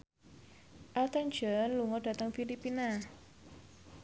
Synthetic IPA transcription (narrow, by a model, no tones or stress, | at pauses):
ʔat̪and͡ʒɔnluŋɔd̥a̤t̪əŋfilipina